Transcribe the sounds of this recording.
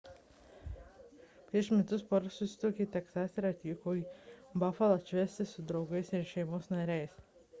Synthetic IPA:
pʲɾʲiɛʃmʲɛt̪ʊspɔɾsʊsʲɪ̥t̪uːkʲiːt̪ʲɛksaːsʲɾɐt̪ʲiːkoːibɑfɐlˠɐt͡ʃʲʋʲɛsʲt̪ʲɪsʊd̪ɾɐʊɡɐɪsɪɾʃʲɛɪmoːsnɐɾʲɛjs

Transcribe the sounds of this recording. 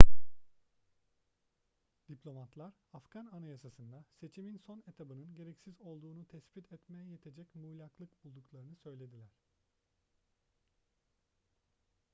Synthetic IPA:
d̪̥iplʲo̞mat̪lˠaɾafɡ̥ananajasasɯnd̪ase̞t͡ʃʰiminso̞ne̞t̪ʰabɯnɯnɟe̞ɾɛcsizo̞lˠd̪uːnut̪ʰɛsbit̪ʰɛt̪mejɛjet̪ʰe̞d͡ʒɛcmuːlʲaklˠɯkbulˠd̪uklˠaɾɯnɯsø̞jlʲe̞d̪ilʲæɾ̥

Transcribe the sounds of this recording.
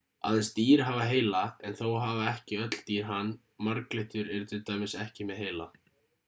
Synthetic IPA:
a̰ðɛnst̪iːɾ̥ɦaːvaɦeːjlaɛnθowɦaːvaɛhcɪœt̪l̥t̪iːɾ̥ɦanː | maɾkleht̪ʏɾɛɾʏt̪ʰɪlt̪aːmɪsɛhcɪmɛðɦeːjla

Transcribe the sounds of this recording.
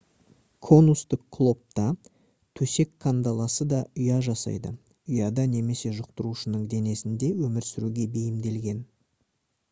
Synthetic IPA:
kʰo̞nust̪ɪkkʰːlˠo̞p̚t̪ɑ | t̪ʰɵse̞kʰːand̪ɑlˠɑsəd̪ɑʊjɑʒɑsɑ̰jd̪ə̰ | ʏjɑd̪ɑne̞me̞se̞ʒʊq̚t̪əɾuʃənəɴd̪e̞ne̞sɪnd̪e̞wɵmɪɾsɪɾuɡʲe̞be̞jɪmd̪e̞lɡʲe̞n

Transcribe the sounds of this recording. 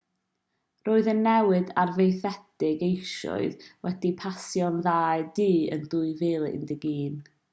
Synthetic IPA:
roːɨðənːɛwɨdarvejθɛdɪɡejʃɔ̰ɨðwʔɛdipʰasjɔnðaːɨdiːə̰ndʊɨvɪːlˠɪ̰ndɪɡiːn

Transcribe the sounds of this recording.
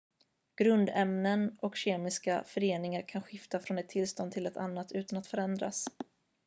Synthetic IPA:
ɡ̥ɾɵnd̪ɛmnənɔkɕeːmɪska̰fœɾeːnɪŋaɾkʰanɧɪft̪afɾɔnɛt̪ʰːɪlst̪ɔnʰɪlɛt̪ʰa̰nːat̪ʰʉ̟ːt̪anat̪fœɾɛnd̪ɾa̰s

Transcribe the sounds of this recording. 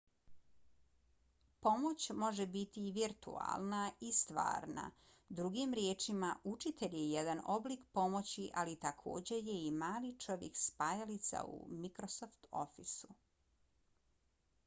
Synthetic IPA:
po̞mo̞t͡ɕmo̞ʒebit̪iʋiɾt̪ṵa̰lˠnaist̪ʋa̰ːɾna̰ | d̪ɾuɡimɾjeːt͡ʃimaʔut͡ʃit̪eʎjejed̪ano̞blikpo̞mo̞t͡ɕiʔalit̪akʰo̞̰ːd͡ʑe̞je̞imaːlit͡ʃo̞ʋjekspajalit̪sa̰ṵmikɾo̞soft̪o̰fisu

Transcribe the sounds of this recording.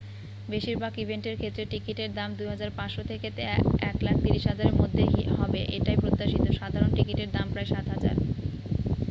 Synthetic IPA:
beʃiɾbakibʱeɳʈeɾkʰet̪ːɾeʈikiʈeɾd̪amd̪uɦad͡ʑaɾpãʃot̪ʰeket̪eɛklak̚t̪iɾiʃɦad͡ʑaɾeɾmod̪ʱːeɦɔbeʔeʈajpɾot̪ːaʃit̪oʃad̪ʱaɾonʈikiʈeɾd̪ampɾaeʃat̪ɦad͡ʑa̰ɾ

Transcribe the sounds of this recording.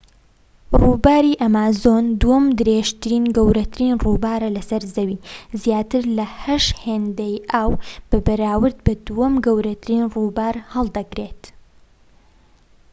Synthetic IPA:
ruːbaːɾiːʔɐmaːzoːnd̪uwɐmd̪ɨɾeːʒt̪ɨɾiːnɡɐwɾɐt̪ʰɨɾiːnruːbaːɾɐlɐsɐɾzɐwiːzjaːt̪ɨɾlɐhɐʃheːnd̪ɐjʔaːwb̥ɐbɐɾaːwɨɾd̪bɐd̪uwɐmɡɐwɾɐt̪ʰɨɾiːnruːbaːɾhɐlˠd̪ɐɡɾeːt̪

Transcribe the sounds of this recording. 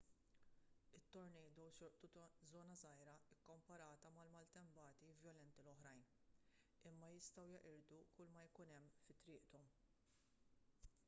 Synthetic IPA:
ɪt̪ːɔɾnɛjd̪ɔwʃɔɾt̪uzɔːnɐzɐjɾɐɪkːɔmpɐɾɐːt̪ɐmɐlmɐlt̪ɛmbɐːt̪ivjɔlɛnt̪ilɔħɾɐjn | ɪmːɐjɪst̪ɐwjɐʔɪɾd̪ukʊlmɐjkʊnɛmːfɪt̪ːɾɪːʔt̪ɔm

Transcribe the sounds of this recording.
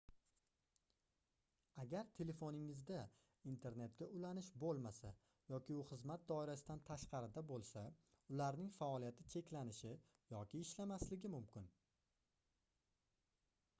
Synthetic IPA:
aɡʲaɾt̪ʰe̞le̞fonɪŋɪzd̪a | int̪ʰe̞ɾne̞t̪̚ɡʲaʊlanɪʃbolˠmasa | jɒkʲʰɪʊχɨzmat̪̚d̪ɒɪɾasɪd̪ant̪ʰaʃqɑɾɪd̪abolˠsa | ʊlaɾnɪŋfaɒlˠijat̪ʰɪt͡ʃʰe̞kʲlanɪʃɪ | jɒkʲɪːʃlamaslɪɡʲɪmʊmkʲɪn

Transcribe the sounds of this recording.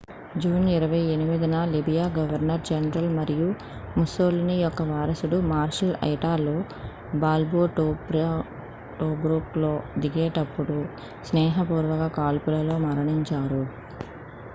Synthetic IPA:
d͡ʒuːniɾɐʋɐjenimid̪ɐnɐlibijaːɡɐʋɐɾnɐɾd͡ʒɐnɾɐlmɐɾiju | musoːlnijɔkːɐʋaːɾɐsuɽumaːɾʃɐlɐ̰jʈaːloː | baːlboːʈːɾ | ʈoːɡɾuːplo̞ːd̪iɡeːʈɐpːuɽu | snɛːɦɐpuːɾʋɐɡɐkaːlpulɐlo̞ːmɐɾɐɳiɲt͡ʃaːɾu

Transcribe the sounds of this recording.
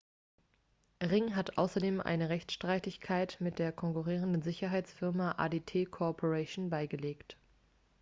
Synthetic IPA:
ʁɪŋɦatʔa̰ʊsɐdeːmʔa̰ɪnəʁɛçt͡sʃtʁ̥aɪtɪçkʰaɪtmɪt̚d̥eːɐkʰɔŋkuʁ̞iːʁ̞əndənzɪçɐɦaɪt͡sfɪɐmaʔa̰ːdeːtʰeːkʰoɔpʰoʁɛʃoːnbaɪɡəleːkt

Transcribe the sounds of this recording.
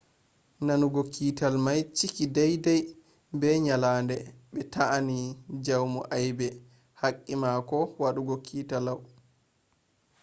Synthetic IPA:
nanuɡɔkʰːiːtalmajt͡ʃikidajdaj | bɛɲalaːndɛɓɛtaʔːnid͡ʒawmɔʔajbɛ | hakʼːimakɔwaɗuɡɔkʰːiːtalaw

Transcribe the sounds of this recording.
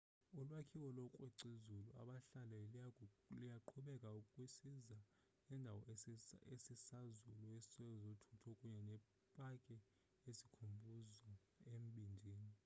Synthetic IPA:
ulwakʰiwɔlɔkʼwɛǀizulua̰ɓaɬalɛ | lijaǃʰuɓɛkʼaukʼwisiza | nɛndʱawɔesisazulɔesi̥sɛjɔzotʰutʰɔkʼuɲɛnɛ | pʼakʼɛ | esikʰumbʱuza | em̩ɓind͡ʒʱiːni

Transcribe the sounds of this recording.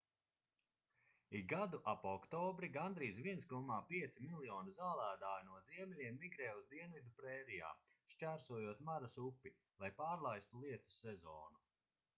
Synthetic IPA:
iɡad̪uʔapɔkt̪ɔːbɾiɡand̪ɾiːsvʲiɛnskɔmaːpʲiɛt̪similˠjɔːnuzaːlˠæːd̪aːjnuɔziɛmʲɛlʲiɛmːiɡɾɛːuzd̪iɛnvid̪upɾɛːɾija̰ːʃt͡ʃæːɾsuɔjuɔt̪maɾasupːi | lˠajpaːɾlˠajst̪ulˠiɛt̪u̥sɛzɔːnu

